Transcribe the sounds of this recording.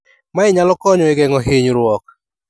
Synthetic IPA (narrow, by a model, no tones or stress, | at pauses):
maɪɲalɔkɔɲɔɪɡɛŋɔɦiɲɾwɔk